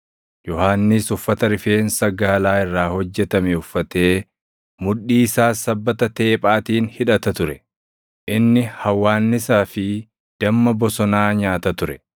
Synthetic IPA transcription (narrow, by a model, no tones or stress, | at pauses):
jɔhaːnːɪsʊfːɐt̪ɐɾɪfeːnsɐɡaːlaːɪrːaːhɔd͡ʒːɛt̪ɐmɛʊfːɐt̪e̞ː | mʊᶑːiːsaːsɐbːɐt̪ɐt̪e̞ːpʼaːt̪iːnhɪᶑɐt̪ɐt̪ʊɾɛ | ʔɪnːɪhɐwːaːnːɪsaːfɪ | d̪̥ɐmːɐbɔsɔnaːɲaːt̪ɐt̪ʊɾɛ